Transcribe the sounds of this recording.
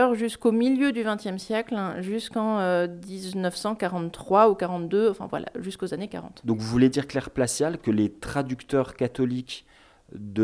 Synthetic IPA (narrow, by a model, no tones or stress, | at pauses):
ɔʁʒyskomiljød̪yvɛ̃t̪jɛmsjɛklɛʒyskɑ̃ød̪iznœfsɑ̃kaʁɑ̃t̪t̪ːχwaukaʁɑ̃t̪d̪øɑ̃fɛ̰̃vwa̰la̰ʒyskozaneka̰ʁɑ̰̃t̪d̪ɔ̃kvuled̪iʁklɛʁplasjalkəlet̪χad̪ykt̪œʁkat̪ɔlik | d̪ə